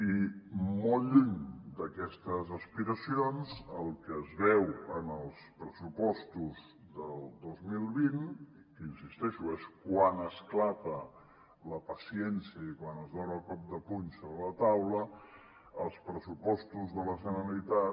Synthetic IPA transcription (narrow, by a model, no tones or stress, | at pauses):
imolˠʎiŋd̪əkɛst̪əzəspiɾəsionzəlˠkəːzβɛwənəlˠspɾəsupɔst̪uz | d̪əlˠd̪ozmilˠβin | kəinsist̪ɛʃueskwanəsklapə | ləpəsiɛnsiəikwanəzðɔnəlˠkɔp̚d̪əpuɲsoβɾələt̪awlə | əlˠspɾəsupɔst̪uzðələʒənəlit̪a